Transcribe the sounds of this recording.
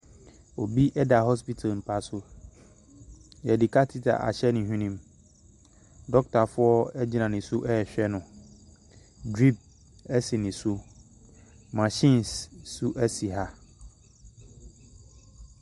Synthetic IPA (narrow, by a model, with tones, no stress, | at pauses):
o˨bi˦ʔɛ˦da˨ɦɔ˦s̬pi˦tʰa˨lm̩˨pʰa˦sʊ˦ | jɛ˨dɪ˨kʰa˦tʰi˦tʰa̰˨ʔa̰˨ɕɛ˦nɪ̃˨ɦᶣĩ˦nĩ˦m | dɔ˦k̚tʰa˨fʊ˦ɔ˦ɛ˦d͡ʑi˨nã˨nɪ̃˨su˦ʔɛ˦ɛ˨ɕᶣɛ˦nʊ̃˨ | dɾi˦p̚ | ɛ˦sɪ˨nɪ̃˨su˦ | mã˨ɕĩ˦nsːu˦ʔɛ˦si˨ɦa˦